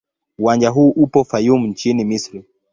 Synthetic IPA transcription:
uwand͡ʒaɦuːʔupɔfajum̩ɲt͡ʃinimisɾi

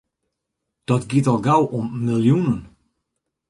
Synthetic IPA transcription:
d̥ɔtɡɪtɔlˠɡawʔɔmːɪljunən

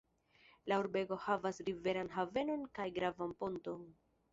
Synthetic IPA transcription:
lauɾbe̞ɡo̞havasɾive̞ɾanɦave̞no̞nkajɡɾavampo̞nton

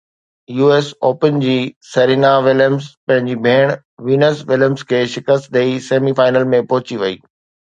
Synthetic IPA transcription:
juːeːsoːpənd͡ʑiːsɐɾiːnaʋɪləmzpɐ̃ɦɪ̃ɲd͡ʑibʱeːɽ̃ | ʋiːnəsʋɪləmskʰeːʃɪkəst̪̚d̪eiseːmifaːɪnəlmẽpɔɦʊt͡ɕiʋɐḭː

